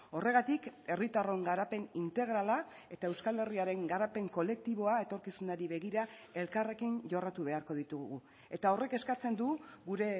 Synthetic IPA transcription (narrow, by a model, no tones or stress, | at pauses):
o̞re̞ɣ̞at̪ike̞rit̪aro̞ŋɡaɾape̞nint̪e̞ɣ̞ɾala | e̞t̪ae̞wskale̞riaɾe̞ŋɡaɾape̞ŋko̞le̞k̚t̪iβo̞ae̞t̪o̞ɾkisunaɾiβe̞ɣiɾae̞lkare̞kinʝo̞rat̪uβ̞e̞aɾko̞ðit̪uɣu | e̞t̪ao̞re̞ke̞skat͡se̞nd̪uɣuɾe̞